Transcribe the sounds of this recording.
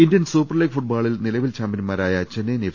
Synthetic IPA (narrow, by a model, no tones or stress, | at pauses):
indijɐnsuːpːɐrleːɡfuʈ̚baːɭilnilɐʋilt͡ɕaːmpjɐnmaːɾaːjɐt͡ɕenːene